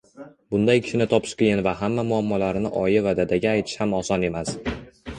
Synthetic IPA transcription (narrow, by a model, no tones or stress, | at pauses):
bʊnd̪ajkʲʰɪ̥ʃɪnɪt̪ʰɒpʰɪ̥ʃkʲʰejɪnvaɦamːamʊamːɒlaɾɪnɪʔɒjɪvad̪ad̪aɡʲaːjt̪ʰɪ̥ʃhamɒsɒne̞mas